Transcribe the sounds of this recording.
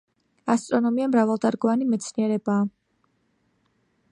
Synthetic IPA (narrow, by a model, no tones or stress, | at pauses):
ast̪ʼɾɔnɔmiamɾavalˠd̪aɾɡɔvanimɛt̪sʰniɛɾɛbaː